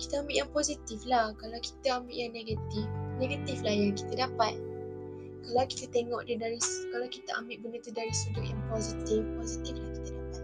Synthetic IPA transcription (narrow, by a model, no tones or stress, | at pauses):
ki̥t̪aambɪʔjaŋpozit̪iflahkalawki̥t̪aambɪʔjaŋneɡat̪ifneɡət̪iflahjaki̥t̪adapat̪̚ | kalawki̥t̪at̪eŋɔʔdədaɾiskalawkit̪aʔambɪʔ̚bənət̪udaɾisudʊʔjaŋpozit̪ifposit̪iflahki̥t̪adapat̪̚